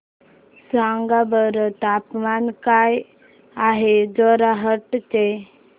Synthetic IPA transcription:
sãŋɡabəɾt̪apmankaj | aɦed͡zɔɾaɦəʈt͡ɕe

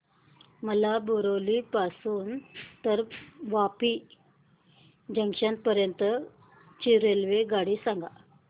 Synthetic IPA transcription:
məlaboɾolipasuːnt̪əɾʋapi | d͡ʑəŋkʂan̚pəɾjənt̪ə | t͡ɕiɾelʋeɡaɽisãŋɡa̰

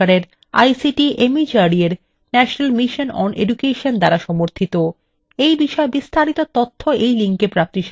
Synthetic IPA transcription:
aɾeɾ | a̰jsiʈiʔemid͡ʑaɾieɾ | nɛʃonalmiʃonɔ̰nḛɖukeʃond̪aɾaʃɔmoɾt̪ʰit̪o | ejbiʃɔebist̪ʰaɾit̪ot̪ot̪ʰːoejliŋkepɾap̚t̪iʃ

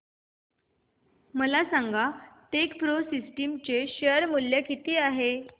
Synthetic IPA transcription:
məlasaŋɡaʈekpɾosisʈimt͡ɕeɕəəɾmuljakit̪iːaɦe

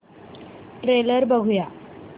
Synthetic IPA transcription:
ʈɾeːləɾbɐɡʱujaː

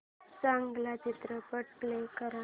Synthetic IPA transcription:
saŋɡlat͡ɕit̪ɾəpəɽplekəɾa

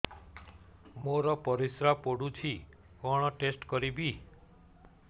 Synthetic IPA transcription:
moɾɔpɔɾisɾapoɽut͡ʃʰi | kɔɽ̃ɔʈesʈkɔɾibi

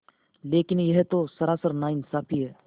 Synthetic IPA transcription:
leːkɪnjɐɦt̪osɐɾaːsəɾnaːɪnsaːpʰiɦɛː

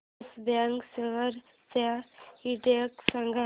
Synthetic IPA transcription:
sbaŋksilʋəɾ | t͡sahiʈeksə̃ŋɡʱa

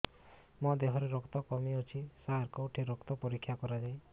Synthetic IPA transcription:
mɔd̪eɦɔɾeɾɔkt̪ɔkɔmiot͡ʃʰisaɾkɔwʈʰiɾɔkt̪ɔpɔɾikʰːjakɔɾad͡ʒaj

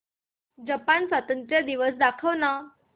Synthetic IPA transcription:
d͡ʑəpansʋət̪ənt̪ɾjad̪iʋəsd̪akʰəʋna

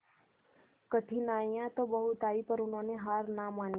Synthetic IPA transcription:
kəʈ̪ʰinajãt̪obəɦut̪aːipəɾunoneɦaɾnaman

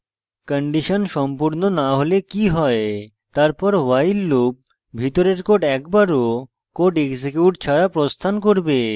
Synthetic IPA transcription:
kəɳɖiʃonʃɔmpuɾnonaɦolekiɦɔe | t̪aɾpɔɾwajlːob̚ | bʱit̪oɾeɾkoʈɛkbaɾo | koʈeɡsekjuʈ̚t͡ɕʰaɾapɾost̪ʰankoɾbe

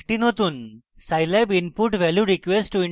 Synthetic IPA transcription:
kʈiːnɦot̪uːn | sajlabinpuʈʋɛljuɾikʋesʈʈːui

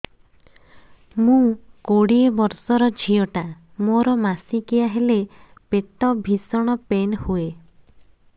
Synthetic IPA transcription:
mũkoɽiebɔɾsɔɾɔd͡ʒʱiɔʈa | moɾɔmasikiaɦele | pet̪ɔbʱisɔɽ̃ɔpenhue

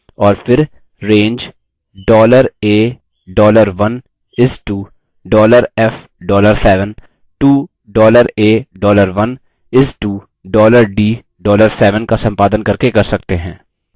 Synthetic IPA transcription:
ɔːɾfɪɾ | ɾẽːɲd͡ʒ | ɖɔːləɾeː | ɖɔːləɾʋɐn | ɪsʈuː | ɖɔːləɾɛf | ɖɔːləɾsɛːʋə̃n | ʈuː | ɖɔːləɾeːɖɔːləɾʋɐn | ɪsʈuː | ɖɔːləɾɖiː | ɖɔːləɾsɛːʋənkasɐ̃mpaːd̪ənkɐɾkekɐɾsɐk̚t̪eɦɛ̰̃ː

